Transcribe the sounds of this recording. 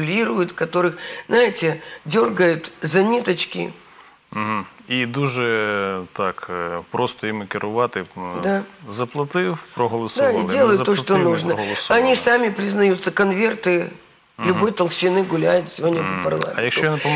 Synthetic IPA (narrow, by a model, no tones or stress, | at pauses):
lʲiɾʊjʊt̪kɐt̪o̞ɾɨxznajɪtʲɪdʲo̞rɡəjʊt̪zɐnʲit̪ət͡ɕkʲɪ̰ | m̩ɦ̩id̪uʒɛt̪akpɾost̪ɔimɪkʲɪɾʊʋɑt̪ɪd̪azɐplˠɐt̪ɪwpɾɔɦɔlˠɐsd̪aidʲe̞lˠəjʊt̪ːoʂt̪onuʐnəlˠsɐnʲisamʲɪpɾʲɪznɐjut̪sːəkɐnvʲe̞rt̪ɨ | lʲʊbojt̪ɐlˠɕɪnɨɡʊlʲæjʊt̪sʲɪvʲo̞dʲnʲəpəpɐ̰rlˠa̰mʲɪjɐkʃt͡ʃ̪ɔjanɐp